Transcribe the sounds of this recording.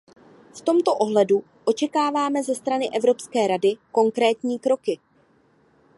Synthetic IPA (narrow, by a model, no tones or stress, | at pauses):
ft̪o̞mt̪o̞ʔo̞ɦlɛdu | ʔo̞t͡ʃɛkaːvaːmɛzɛst̪ɾanɪʔɛvɾo̞pskɛːɾadɪko̞ŋkɾɛːt̪ɲiːkɾo̞kɪ